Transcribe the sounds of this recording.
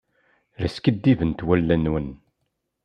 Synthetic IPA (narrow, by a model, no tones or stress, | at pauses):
læskəd̪ːivənt̪wælːænwən